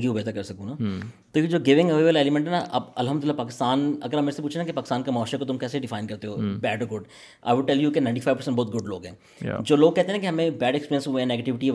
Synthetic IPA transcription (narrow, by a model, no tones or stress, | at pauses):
kiubet̪kɐɾsɐkũnaːt̪oːjid͡ʒoːɡɪʋɪ̃ŋɡəʋeːʋəleːlɪmɛ̃ɳʈɦɛnaʔɐ̰bɐ̰lɦəmd̪ʊlɪlːapaːkɪst̪aːnɐɡəɾɐmːeːɾesepuːt͡ʃʰenakipaːkɪst̪aːnkemɔːʃekot̪ʊmkɛːseɖɪfaːɪnkɐɾt̪eɦoːbɛːɖɔːɾɡʊɖ | ʔa̰ɪʋʊɖ̚ʈːɛljukenãɪ̃ɳʈifaːɪʋpəsɛ̃ɳʈbɔːt̪̚ɡʊɖloːɡɦɛ̰̃ː | d͡ʒoːloːɡ̚kɛɦt̪eɦɛ̃akiɦɐmẽbɛːɖekspiːɾjənsɦuẽneːɡeʈɪʋɪʈi